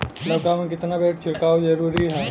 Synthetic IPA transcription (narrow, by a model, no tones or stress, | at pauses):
lɐbkaːmə̃nkɪt̪nabeːʈ̚t͡ʃʰɪɾkaːwzɐɾuːɾiɦɛː